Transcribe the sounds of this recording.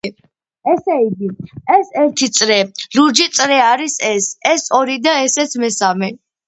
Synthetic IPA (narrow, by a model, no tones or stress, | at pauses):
ɛsɛiɡiɛsɛɾt̪ʰit̪sʼɾɛluɾd͡ʒit̪sʼɾɛaɾisɛsɛsɔɾid̪aɛsɛt̪sʰmɛsamɛ